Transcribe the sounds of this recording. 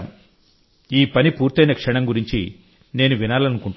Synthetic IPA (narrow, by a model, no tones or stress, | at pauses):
m | iːpɐnipuːɾt̪ɐjnɐkʂɐɳɐmɡuɾiɲt͡ʃḭ | ne̞ːnuʋinaːlɐnukuɳʈ